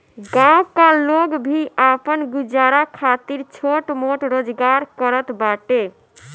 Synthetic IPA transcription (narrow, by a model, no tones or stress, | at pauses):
ɡãũkaloɡbʱiʔapənɡud͡ʒaɾakʰat̪iɾt͡ʃʰoʈmoʈɾod͡ʒɡaɾkəɾət̪baʈe